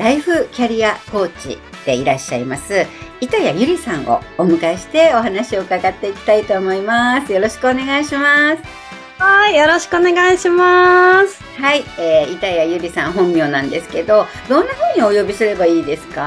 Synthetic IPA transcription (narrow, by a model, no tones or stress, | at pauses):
ɾaiɸɯ̟kʲaɾʲiako̞ːt͡ɕḭ | d̪̥e̞iɾaɕːaimasɨit̪ajajɯ̟ɾʲisãɰ̃o̰ːmɯ̟kaiɕi̥t̪e̞o̞ɦanaɕio̞kaɡat̪ːe̞ikʲi̥t̪ait̪o̞ːmo̞imasɨjo̞ɾo̞ɕi̥kɯ̟one̞ɡaiɕimasɨ̥ | haijo̞ɾo̞ɕi̥kɯone̞ɡaiɕimasɨ̥haieːit̪ajajɯ̟ɾʲisãɰ̃ɦõ̞mːʲjo̞ːnãnd̪e̞sɨ̥ke̞d̪o̞ | d̪õ̞nːaɸɯ̟̃ːɲ̟io̞jo̞bʲisɨɾe̞baiːd̪e̞sɨ̥ka